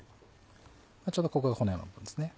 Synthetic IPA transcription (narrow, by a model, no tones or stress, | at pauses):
mat͡ɕoːd̪okokaɡakonojõno̰pːɯ̃nd̪esɨne